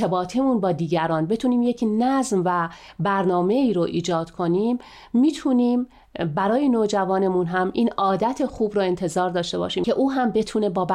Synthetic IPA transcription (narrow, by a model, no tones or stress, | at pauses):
ebɒːt̪ʰemunbɒːd̪iːɟæɾɒːnbe̞t̪ʰuːniːmjecʰnæzmvæ | bæɾnɒːme̞iːɾoʔiːd͡ʒɒːd̪̥kʰo̞niːmː | iːt̪ʰuniːm | bæɾɒːjenoːd͡ʒævɒːne̞munɦæmʔiːnɒːd̪æt̪ʰexuːbɾoːe̞nt̪ʰe̞zɒːɾd̪ɒːʃt̪e̞bɒ̰ːʃiːmʰe̞ʔuːɦæmbe̞t̪ʰuːne̞bɒːb